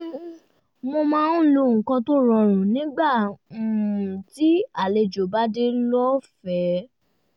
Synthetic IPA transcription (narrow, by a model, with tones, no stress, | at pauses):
mo˧mãː˦n˦˨lo˧˨ŋ̩˨kã˧to˦ɾ̃ɔ̃˧˨ɾ̃ũ˨nĩ˦ɡ͡bã˦˨ | ũ˨ti˦a˦˨le˧d͡ʒo˨ba˦de˦lɔ˦fɛ˨˦